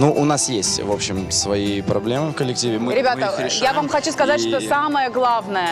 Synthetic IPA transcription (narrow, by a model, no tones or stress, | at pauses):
nuʔʊnasjesʲtʲvo̞pɕːɪmsvɐipɾɐblʲe̞mɨfkəlʲːɪk̚tʲivʲɪmɾʲɪbʲat̪əɪjavamxɐt͡ɕuskɐzatʲʂt̪osaməjəɡlˠavnəjə